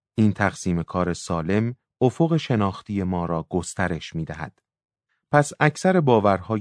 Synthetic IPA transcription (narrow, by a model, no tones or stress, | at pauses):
iːnt̪ʰæɣsiːme̞kʰɒːɾe̞sɒːle̞m | ofo̞ɣe̞ʃe̞nɒːxt̪ʰije̞mɒːɾɒːɡ̥o̞st̪æɾe̞ʃmiːd̪æɦæ̰d̪̥ | pʰæsæcʰsæɾe̞bɒːvæɾhɒː